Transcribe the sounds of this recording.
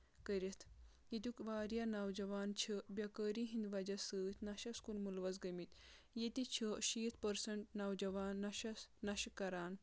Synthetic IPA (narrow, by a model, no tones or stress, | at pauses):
kəɾʲɐt̪ʰ | it̪ʲukʋaːɾjanɐwd͡ʒɐʋaːnt͡ʃʰɐbʲjɐkəɾiɦĩnd̪ʋɐd͡ʒɐsɨːt̪ʰnɐʃɐskulmulʋɐt͡sɡɐmit̪ | jet̪it͡ʃʰəʃiːt̪ʰpɐɾsɐɳʈnɐwd͡ʒɐʋaːnːɐʃɐsnɐʃkːɐɾaːn